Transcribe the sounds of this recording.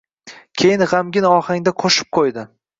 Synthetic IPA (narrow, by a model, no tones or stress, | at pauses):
kʲʰejɪnʁamɡʲɪnɒhaŋd̪aqʰoʃɪ̥p̚qʰojd̪ɪ